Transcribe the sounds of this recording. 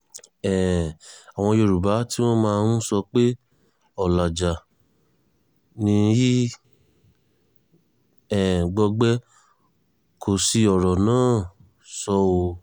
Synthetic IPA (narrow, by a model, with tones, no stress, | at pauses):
ɛ˨a˨w̃ɔ̃˧jo˧ɾu˨ba˨˦ti˦w̃ɔ̃˦mãː˧nũ˦sɔ˧k͡pe˦ | ɔ˨la˨d͡ʒa˨ | nĩ˧˦ji˦ | ɛ˨ɡ͡bɔ˧ɡ͡bɛ˦ | kʰo˨si˧ɔ˨ɾɔ˨nãː˦˨ | sɔ˦o˧